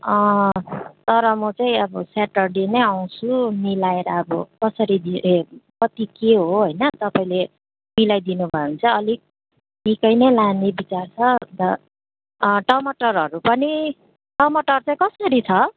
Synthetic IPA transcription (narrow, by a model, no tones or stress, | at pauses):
ʌ̃ | t̪ʌɾʌmʌt͡saĩʌbʌsaʈʌrɖenʌjaw̃t͡sʰumilaeɾaːbʌ̰kʌsʌɾid̪iekʌt̪ikeɦoɦojnʌt̪ʌpaĩle | milajd̪inubʱʌeɦunt͡sʰʌʌlik̚ | nikʌjnʌjlanebit͡sart͡sʰʌd̪ʌ | ʈʌmʌʈʌɾɦʌɾupʌni | ʈʌmʌʈʌrt͡saĩkʌsʌɾit͡sʰʌ